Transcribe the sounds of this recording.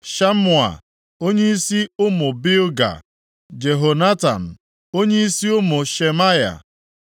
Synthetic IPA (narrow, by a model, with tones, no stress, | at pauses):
ʃa˦mʊ˨a̰˨ | o˦ɲe˦i˦si˦ʊ˦mʊ˨bi˦lɡa̰˨ | d͡ʒe˨ɦo˨na˦ta̰˨m̩˨ | o˦ɲe˦i˦si˦ʊ˦mʊ˨ʃe˨ma˦ja̰˨